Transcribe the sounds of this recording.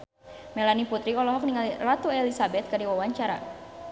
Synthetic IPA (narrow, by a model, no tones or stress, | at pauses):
mɛlaniput̪ɾiɔlɔɦɔk̚niŋalirat̪uɛlisabɛt̪̚kadiwawaɲt͡ʃaɾa̰